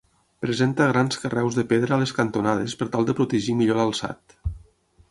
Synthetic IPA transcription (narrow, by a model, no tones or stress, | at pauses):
pɾəzent̪əɣɾanskərɛwzðəpeðɾəːleskənt̪unað̞espəɾt̪alˠd̪əpɾut̪əʒimiʎoləlˠsa̰t̪